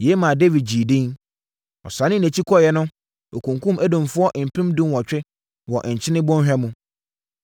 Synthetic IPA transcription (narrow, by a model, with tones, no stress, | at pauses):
je˨˦mã˨de˦vi˨d̚d͡ʑi˨dĩ˦n | ɔ̰˨sã˨nɪ̃˦næ̃˨t͡ɕʰi˦kʰɔ˦˨jɛ˦nʊ̃˦ | o˨kʰũ˨ŋkʰũ˦mæ˦dõ˨mfʊ˦ɔ˦ʔm̩˨pʰɪ̃˦mdũ˦nwɔ˨t͡ɕᶣɪ˦ | wɔ˨ʔɲ̩˨t͡ɕʰɪ̃˦nɪ̃˦bʊ̃˦n˦hᶣɛ˦mũ˨